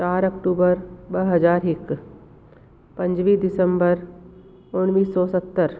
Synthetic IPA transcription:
t͡ʃaːɾɐkʈuːbəɾbəɦɐzaːɾɦɪk | pɐ̃ɲd͡ʒʋiːd̪ɪsə̃mbəɾ | ʊnʋiːsːɔːsət̪ːəɾ

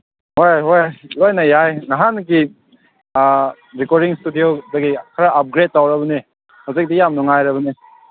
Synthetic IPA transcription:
hojɦojlojnɐjajŋaɦanki | ɾikoɾiŋstudijodɐɡikʰɐɾaʔap̚ɡɾet̚ːawɾɐbɐni | hazik̚dijamnɔŋajɾɐβɐni

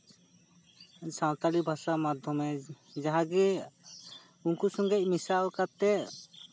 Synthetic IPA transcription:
sãwt̪alibʱasamad̪ʱjɔmɛ | d͡ʒaɦãɡɛ | unkusɔŋɡec̚ˀmisalkat̪ɛ

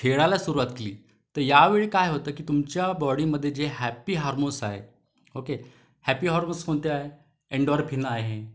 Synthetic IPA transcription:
ʈʰeɭalasuɾuʋat̪keliː | t̪əɾjaʋeɭekajɦot̪əːkiːt̪umt͡ɕjabɔɽiːməd̪ʱːjed͡ʑeɦæpiːɦɔɾmosaɦḛ | oke | hæpiːɦɔɾmoskʰont̪eaɦe | eɳɖɔɾpʰinəaɦe

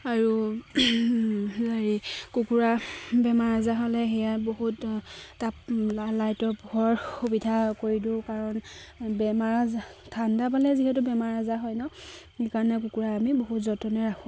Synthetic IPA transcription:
aɹu | zaɹikukuɹabɛmaɹazaɦɔlɛxɛjaboɦutːaplalajtɔpuɦɔɹxubidʱakoɹidʊkaɹɔnbɛmaɹazatʰandap̬alɛziɦɛtʊbɛmaɹazaɦɔjnɔ | ikaɹɔnɛk̬ukuɹaːmiboɦutzɔtɔnɛɹakʰu

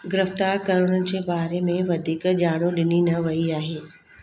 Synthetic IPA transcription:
ɡɪɾɪft̪aːɾkɐɾʊɽ̃ənɪ̆d͡ʑeːbaːɾemẽʋɐd̪ʱiːkd͡ʑaːɽ̃oɗɪninɐʋɐiaːɦeː

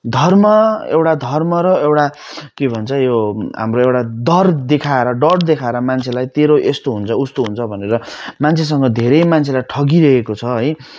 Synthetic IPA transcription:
d̪ʱʌrmʌḛwʈad̪ʱʌrmʌɾʌewʈa | kebʱʌnt͡sʰʌjoɦa̰mroewʈad̪ʌrd̪ekʰaeɾʌɖʌʈd̪ekʰaeɾʌmant͡sʰelajt̪eɾoʔest̪oɦunt͡sʰʌust̪oɦunt͡sʰʌbʱʌneɾʌmant͡sʰes̬ʌŋɡʌd̪ʱeɾʌjmant͡sʰelajʈʰʌɡiɾʌɦekot͡sʰʌɦʌj

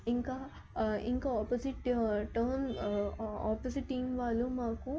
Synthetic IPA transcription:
iŋkaː | ḭŋkaːaːposiʈʈɐɾn | a̰ːposiʈːiːmʋaːlumaːku

